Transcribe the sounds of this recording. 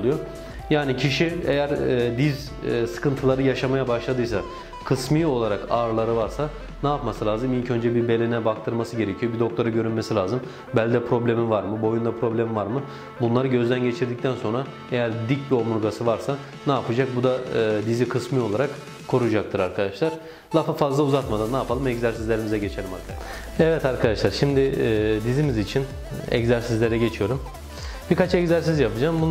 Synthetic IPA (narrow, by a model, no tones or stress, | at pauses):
lˠujo | jaːnicʰiʃiejæɾːd̪iz | sɯ̥kʰɯnt̪ʰɯlˠaɾɯjaʃamajabaʃlˠad̪ɯjsa | kʰɯsmɯo̞lˠaɾakaɾlˠaɾɯvaɾsa | naːpmasɯlʲaːzɯmilʲcʰø̞nd͡ʒɛbibe̞lʲenɛbak̚t̪ʰɯɾmasɯɟe̞ɾecʰijo̞bid̪o̞k̚t̪ʰo̞ɾaɟø̞ɾynmesilʲaːzɯm | bælʲid̪ɛpʰɾo̞blʲe̞mivaɾmɯbo̞jund̪apʰɾo̞blʲemivaɾmɯ | bunlˠaɾɯɟø̞zd̪ænɟe̞t͡ʃʰiɾd̪ic̚t̪ʰænso̞nɾa | e̞jæɾd̪ic̚bio̞muɾɡasɯvaɾsa | naːpʰɯd͡ʒak̚bud̪aɯːd̪izikʰɯsmɯjo̞lˠaɾak | kʰːo̞ɾud͡ʒakt̪ʰɯɾaɾkʰad̪aʃlˠaɾ̥ | lˠafafazlˠauzat̪mad̪anːaːpʰalˠɯmɛczæɾsizlʲe̞ɾimizɛɟe̞t͡ʃʰe̞lʲima̰ɾkʰa | ɛvɛt̪aɾkʰad̪aʃlˠaɾʃimd̪ɪd̪izimizit͡ʃʰin | ɛ̰czæɾsizlʲe̞ɾɛɟe̞t͡ʃʰijo̞ɾum | b̥iɾkat͡ʃɛczæɾs̬izjapɯd͡ʒaːmbun